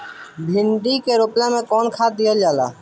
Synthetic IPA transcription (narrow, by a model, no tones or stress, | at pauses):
bʱlɪ̃ɳɖikeɾoplẽmẽkɔːnkʰaːd̪iəld͡ʒaːla̰ː